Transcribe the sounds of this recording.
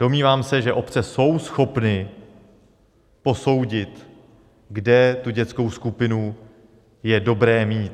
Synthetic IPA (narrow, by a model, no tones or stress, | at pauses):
d̥o̞mɲiːvaːmsɛʒɛʔo̞pt͡sɛso̞wsxo̞pnɪ | po̞so̞wɟɪt̪ | ɡdɛt̪uɟɛt̪t͡sko̞wskupɪnu | jɛdo̞bɾɛːmiːt̪